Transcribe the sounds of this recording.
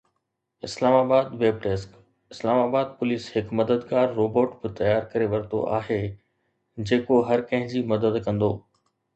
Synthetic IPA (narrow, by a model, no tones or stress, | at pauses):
ɪslaːmaːbaːd̪ʋeːbʈeːsk | ɪslaːmaːbaːd̪̚pʊliːshɪkmɐd̪əd̪ɡaːɾːoːboːʈbɪt̪ɐjaːɾkɐɾeʋɐɾt̪o̰ʔa̰ːɦe | d͡ʑeːkoɦɐɾkɐ̃ɦɪ̃ɲd͡ʑimɐd̪əd̪kɐ̃nd̪oː